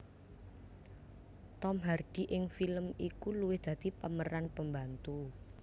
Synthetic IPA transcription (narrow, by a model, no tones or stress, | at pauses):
t̪ɔmɦard̪̥i̤ʔɪŋfiləmikuluwɪhd̪̥ä̤d̪̥ipəməɾanpəmbant̪u